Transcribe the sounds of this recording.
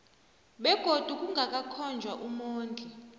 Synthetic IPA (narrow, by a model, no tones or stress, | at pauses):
ɓɛɡ̥ʱod̥ʱuk̬ʼuŋɡʱak̬ʼakʰɔnd͡ʒʱwaʔumoːntʼi